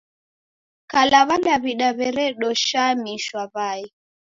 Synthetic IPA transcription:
kalaβalaβiɗaβɛɾɛɗɔʃamiʃwaβai

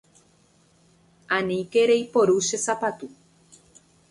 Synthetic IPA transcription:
ãnĩkeɾeipoɾuʃesapat̪u

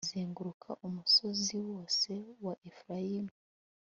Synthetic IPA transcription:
ziːŋɡuɾukʰaʔumuso̞ziwo̞ːse̞waʔefɾajimu

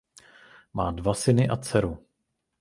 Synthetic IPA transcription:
maːdvasɪnɪʔat͡sɛɾu

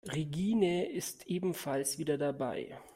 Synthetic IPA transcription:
ʁeɡiːnəɪstʔeːbm̩falsv̥iːdɐdaba̰ɪ

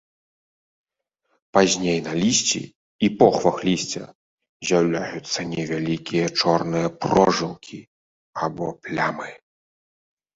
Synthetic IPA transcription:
pazʲnʲejnalʲisʲt͡sʲḭ | ipɔxvɐxlʲisʲt͡sʲɐ̰ | zʲawlʲajut̪sːɐnʲɛvʲalʲikʲijɐt͡ʂɔrnɨjɐpɔʐɨwkʲʰi | abɔplʲamɨ

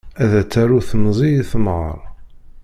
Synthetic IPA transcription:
æðæt͡sːæɾuθəmzˤijθəmʁə̰ɾˤ

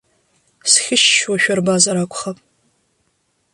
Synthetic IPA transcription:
sxʲɪʃʃwaʃᶣɔrbaːzɐɾakʷʰʼʊχɐpʼ

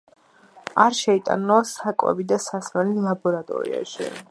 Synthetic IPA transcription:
aɾʃɛit̪ʼa̰nɔsakʼwɛ̰bid̪asasmɛlilˠabɔɾat̪ʼɔ̰ɾḭa̰ʃḭ

